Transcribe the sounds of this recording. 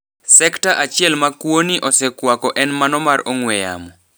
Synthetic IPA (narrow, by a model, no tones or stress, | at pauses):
sɛktaʔat͡ʃɪɛlmakwoniʔɔsɛkwakɔʔɛnmanɔmaroŋwɛja̰mɔ